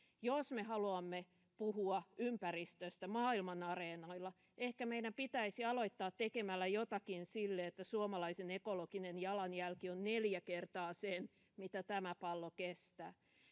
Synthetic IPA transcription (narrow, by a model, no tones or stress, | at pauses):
josmehɑluɑmːe | puhuɑʔympærist̪øst̪æmɑːilmɑnɑreːnɑilːɑ | ehkæmeidæmpit̪æisiɑloit̪ːɑːt̪t̪ːekemælːæjot̪ɑkinsilːeet̪ːæsuomɑlɑisenekolokinenjɑlɑnjælkionneljækert̪ɑːsen | mit̪æt̪æmæpɑlːokest̪æ̰ː